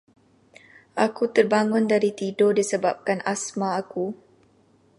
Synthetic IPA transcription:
ʔakut̪ərbaŋʊndaɾit̪idodisəbap̚kanasmaːku

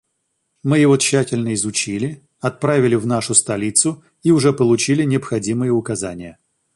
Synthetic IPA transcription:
mɨjɪvoɕːætʲɪlʲnəɪzʊt͡ɕilʲɪ | ɐt̪̚pɾavʲɪlʲɪvnaʂʊst̪ɐlʲit̪sʊ | iʊʐɛpəlˠʊt͡ɕilʲɪnʲɪɐpxɐdʲimɨjəʊkɐzanʲɪjə

